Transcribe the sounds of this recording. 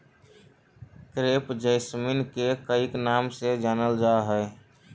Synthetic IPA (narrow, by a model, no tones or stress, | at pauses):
kɾeːpd͡ʒəɪsminkekəiknamsed͡ʒaːnəld͡ʒaɦə